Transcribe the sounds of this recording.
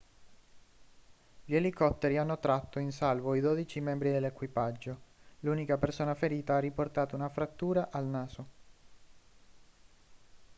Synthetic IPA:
ʎelikɔt̪ːeɾianːot̪ɾat̪ːoinsalvoid̪oːd̪it͡ʃimɛmbɾid̪elːekwipad͡ʒːoluːnikapersoːnafeɾiːt̪aarːiport̪aːt̪ounafɾat̪ːuːɾaʔalnaːzo

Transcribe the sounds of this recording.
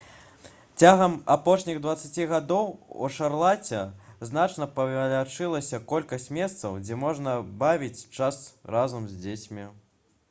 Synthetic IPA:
t͡sʲaɣɐmapɔʂnʲiɣd̪vɐt̪sat͡sʲiɣad̪ɔwṵʂarlˠat͡sʲɛzn̪at͡ʂnɐpɐvʲalʲat͡ʂɨlˠɐsʲɐkɔlʲkɐsʲt͡sʲmʲɛst̪sɐwd͡zʲɛmɔʐnɐbavʲit͡sʲt͡ʂasrazɐmzʲd͡zʲet͡sʲmʲi

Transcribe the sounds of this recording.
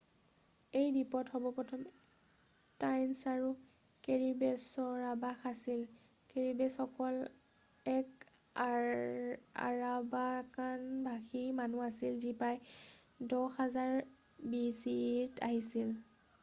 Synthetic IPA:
ejɹipɔthɔbɔpɔtʰɔm | tajnsaɹu | keɹibɛsɔɹabaxasil | keɹibɛsɔkɔl | ɛk | a̰ɹabakanbʱaximanuasilzipɹaj | dɔxazaɹ | bisitʰaɦisil

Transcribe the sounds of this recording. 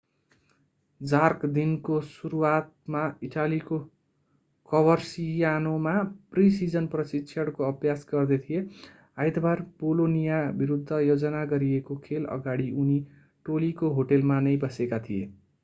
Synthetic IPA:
d͡zarkd̪inkosuɾuwat̪̚maiʈaliko | kʌbʌrsijanomaprisid͡zʌnprʌsitːsʰʌɽkoʌbjasɡʌrd̪et̪ʰije | ajd̪bʱarpolonijabiɾud̪ʱːʌjod͡zʌnaɡʌɾiekokʰelʌ̰ɡaɽiʔuni | ʈolikoɦoʈelmanʌjbʌsekat̪ʰie

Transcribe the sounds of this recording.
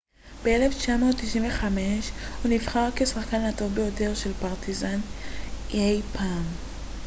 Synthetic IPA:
b̥e̞eleft͡ʃamo̞ːtːiʃinveχame̞ʃunivχaʁke̞saχkanatobejote̞ʁʃe̞lpaʁtizan | ejpʰam

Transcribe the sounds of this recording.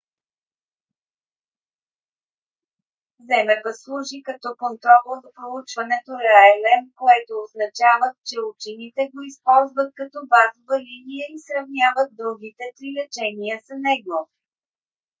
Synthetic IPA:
zɛmɛbəslˠuʒikɐt̪ɔkont̪ɾɔləzɐpɾolˠut͡ʃvɐnɛt̪oɾɛaɛlɛmkoɛt̪oːznɐt͡ʃavət̪t͡ʃɛut͡ʃinit̪ɛɡoispɔlˠzvət̪̚kɐt̪ɔbazovəlinijəisɾɐvnʲjavət̪̚d̪ɾuɡit̪ɛt̪ɾilɛt͡ʃɛniəsɐnɛɡo

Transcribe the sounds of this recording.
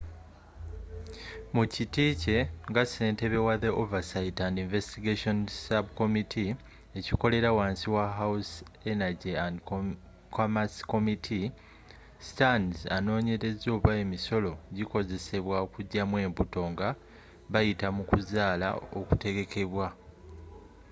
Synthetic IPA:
mucitiːce̞ŋɡase̞ːnte̞βe̞waðeʔovasaitandiɱve̞stiɡaʃo̞nsabko̞mitʰi | e̞ciko̞le̞ɾawaːnsiwaɦawus | e̞naɟiandk | kʰomasko̞mitʰi | stanzano̞ːɲe̞ɾe̞zo̞ːβae̞miso̞lo̞ɟiko̞ze̞se̞βwaokuɟːamwe̞ːmbuto̞ŋɡa | βajitamukuzaːla̰o̰ku̥te̞ɡe̞kʰe̞βwa

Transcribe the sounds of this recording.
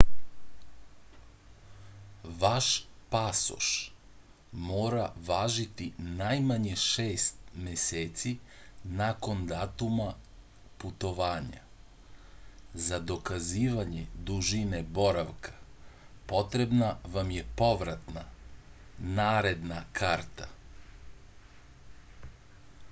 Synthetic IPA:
ʋaʃpaso̰ʃ | moːɾaʋaːʒit̪inajmaɲeʃeːst̪meseːt̪si | nako̞nd̪aːt̪uma | put̪o̞ʋaːɲa̰ | zad̪o̞kaziːʋaɲe̞d̪uʒine̞bo̞ɾaʋkʰḁpo̞t̪ɾe̞bnaʋamje̞po̞ʋɾat̪na | naːɾe̞d̪nakʰaːɾt̪a

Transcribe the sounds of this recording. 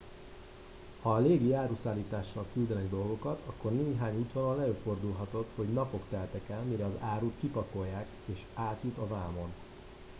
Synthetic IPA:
hɒːleːɡiaːɾuːsaːlːiːt̪aːʃːɒlkyld̪ɛnɛɡd̪o̞lɡo̞kɒt̪ɒkːo̞rneːɦaːɲuːt̪ʋɒnɒlɛøːfo̞rd̪ulɦɒt̪o̞t̪ho̞ɟnɒpo̞kt̪ɛlt̪ɛkɛlmiɾɛɒzaːɾuːt̪kipɒko̞jːaːk | eːʃaːt̪jut̪ɒvaːmo̞n

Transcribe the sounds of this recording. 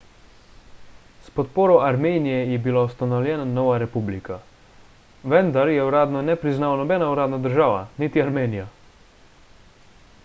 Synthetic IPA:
spɔt̪poːɾɔʔaɾmeːnijɛjɛbilaust̪anɔwlʲjɛːnanɔːʋaɾɛpublikʰa | ʋɛnd̪aɾjɛwɾaːd̪nɔnɛpɾiznaːwanɔbɛːnauɾaːd̪nad̪əɾʒaːʋanit̪iaɾmeːnija

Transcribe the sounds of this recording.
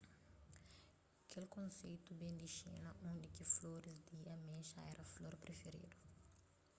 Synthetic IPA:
kʰelkõnsejt̪ubẽnd̪iʃḛnɐʔõnd̪ikifloɾisd̪iɐmẽʃɐɛɾʔɐfloɾpɾefeɾḭd̪u

